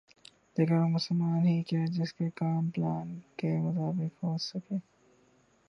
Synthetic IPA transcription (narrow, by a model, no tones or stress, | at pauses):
d̪eːkamʊsəlmaːnɦikiad͡ʒɪskekaːmplaːnkemʊt̪aːbɪkɦoːsɐkeː